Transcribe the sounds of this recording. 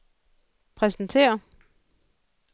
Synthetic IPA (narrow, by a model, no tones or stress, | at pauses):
pʰʁɛsn̩t͡sʰe̝̰ːɐ